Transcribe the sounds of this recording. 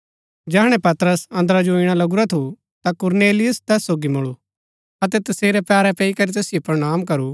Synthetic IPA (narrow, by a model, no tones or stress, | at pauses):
d͡ʒɛːɽ̃ɛ̃pɐt̪ɾəsɐ̃nd̪ɾad͡ʒoɪɽ̃alɐɡʊɾat̪ʰu | t̪akʊɾneːlɪjʊst̪ɛːsːoːɡimʊɭu | ɐt̪ɛt̪ɐseːɾɛpɛːɾɛpɛikɐɾit̪ɛːsɪjopɾɐɽ̃aːmkɐɾu